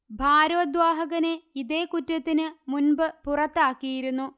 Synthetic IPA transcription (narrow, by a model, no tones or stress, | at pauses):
bʱaːɾɐʋɐd̪ʋaːɦɐɣɐneiðeːkutːɐt̪ːinɨmunbɨpurɐt̪ːaːkːijiɾunːu